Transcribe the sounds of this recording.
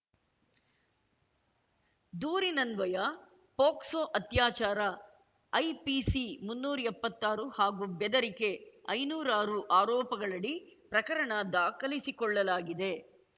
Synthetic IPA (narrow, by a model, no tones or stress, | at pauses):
d̪uːɾinɐnʋɐjɐ | poːksoːʔɐt̪jaːt͡ʃaːɾɐ | ɐjpisimunːuːɾɐɛpːɐt̪ːaːɾuhaːɡuːbɛd̪ɐɾike̞ɐjnuːɾaːɾuʔaːɾɔːpɐɡɐɭɐɽipɾɐkɐɾɐɳɐd̪aːkɐlisikɔɭːɐlaːɡid̪e̞